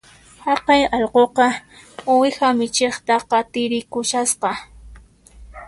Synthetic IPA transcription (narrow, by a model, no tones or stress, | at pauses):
hɑqɑjɑʎqoqɑʊwɪxamɪt͡ʃeχt̪ɑqɑt̪ɪɾɪkʊʃasqɑ